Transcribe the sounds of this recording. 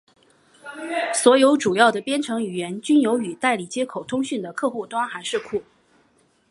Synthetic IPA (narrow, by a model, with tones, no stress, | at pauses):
swɔ˧˥jo˧˥ʊʈ͡ʂu˨˩jɑ˥˩ʊd̪ə˩pjɛ˥nʈ͡ʂʰɤ˧˥ŋy˨˩jɛ˧˥nt͡ɕy˥njo˧˥ʊy˨˩t̪a˥˩ɪli˨˩t͡ɕjɛ˥kʰo˨˩ʊt̪ʰʊ˥ŋɕy˥˩nd̪ə˩kʰɤ˥˧xu˥˩t̪wa˥ŋxa˧˥ɪʂɻ̩˥˩kʰu˥˩